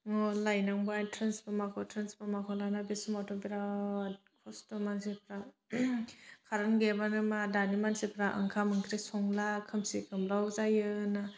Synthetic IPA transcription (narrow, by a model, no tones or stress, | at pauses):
ŋɔlajnaŋbajtʰɾensbɯmakʰɔtʰɾensbɯmakʰɔlanabesumatʰɔbiɾa | kʰɔstɔmansipʰɾa | kʰaɾɯnɡebanɯmadanimansipʰɾaʔə̰ŋkʰamɯŋkʰɾesɔŋlakʰɯmsikʰɯmlawzajɯna